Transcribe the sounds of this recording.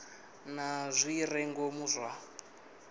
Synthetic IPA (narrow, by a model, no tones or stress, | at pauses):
nazʷirɛŋɡomuzʷwa